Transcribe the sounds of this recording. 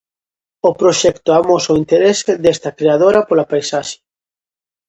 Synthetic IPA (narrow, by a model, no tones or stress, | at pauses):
ʊpɾoʃɛkt̪ʊamosoint̪eɾesɪðest̪ɐkɾeaðoɾɐpolapajsaʃe̥